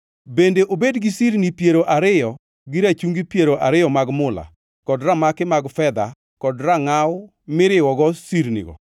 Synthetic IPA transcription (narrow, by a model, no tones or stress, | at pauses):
bendeʔobedɡisiɾnipjeɾoʔaɾɪjɔ | ɡɪɾat͡ʃuŋɡipjeɾoʔaɾɪjɔmaɡmʊla̰ | kɔdramakɪmaɡfɛd̪a | kɔdraŋaw | mɪɾɪwɔɡɔsiɾnḭɡɔ̰